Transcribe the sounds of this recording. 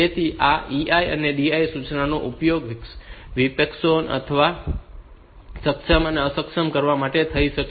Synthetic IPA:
et̪ʰiʔaiajə̰neɖiajsut͡ʃnanoʔupjoɡʋksʋipeksonə̰t̪ʰəʋa | səkʃəməneəsəkʃəmkəɾʋamaʈet̪ʰəiʃək

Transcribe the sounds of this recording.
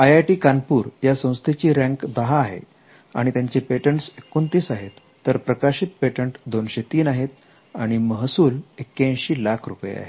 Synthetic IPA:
ajajʈiːkanpuːɾjasə̃w̃st̪ʰet͡ɕiːɾæ̃ŋkd̪əɦaːɦḛ | a̰ɽ̃it̪jaɲt͡ɕepeʈəɳʈsekːont̪iːsaɦet̪ːəɾpɾəkaɕit̪peʈəɳʈd̪onɕet̪iːnaɦet̪ | aɽ̃iməɦsuːlekːeə̃ɕiːlakʰɾupəjḛa̰ɦe

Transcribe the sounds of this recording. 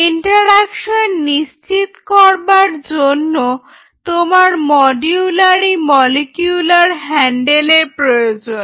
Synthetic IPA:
iɳʈoɾakʃonːist͡ɕit̪kɔɾbaɾd͡ʑonːo | t̪omaɾmɔɖiulaɾimɔlekjulaɾɦɛɳɖelepɾojod͡ʑon

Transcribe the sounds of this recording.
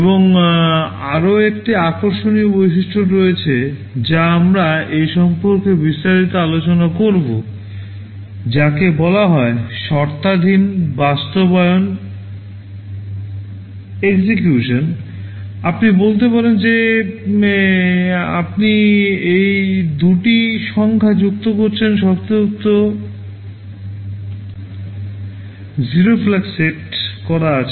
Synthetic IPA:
eboŋ | aɾoekʈiakoɾʃoniobojʃiʃʈʰoɾoet͡ɕʰe | d͡ʑaamɾaejʃɔmpoɾkebist̪aɾit̪oalot͡ɕonakoɾbo | d͡ʑakebɔlaɦɔeʃɔɾt̪ad̪ʱinbast̪obɔeon | eɡsekjuʃon | apnibolt̪̬epaɾend͡ʑe | a̰pniejd̪uʈiʃɔŋkʰad͡ʑuk̚t̪okoɾt͡ɕʰenʃɔɾt̪ouk̚t̪o | ziɾoflakseʈkɔɾaat͡ɕʰe

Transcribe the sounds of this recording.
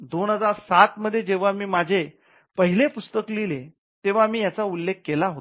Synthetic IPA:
d̪onɦəd͡zaɾsat̪məd̪ʱːjed͡ʑeʋ̤amiːmad͡ʑʱe | pəɦilepust̪əklile | t̪eʋ̤amiːjat͡saulːek̚ʰːelaɦot̪

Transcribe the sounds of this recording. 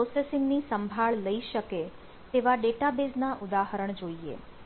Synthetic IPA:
pɾosesɪŋɡnisəmbʱaɭləiʃəke | t̪eʋaɖeʈabeznaʔʊd̪aɦəɾəɳd͡ʒoiḛ

